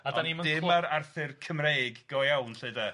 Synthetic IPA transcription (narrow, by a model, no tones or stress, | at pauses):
adɔaniməndɪmaɾarθɪrkʰəmrejɡːɔjɛwnɬeɨda